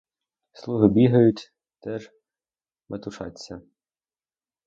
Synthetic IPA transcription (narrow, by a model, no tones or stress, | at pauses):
slˠuɦɪbʲiɦɐjʊtʲ | t̪ɛʒ | mʔet̪ʊʃɑ̰t͡sʲːɐ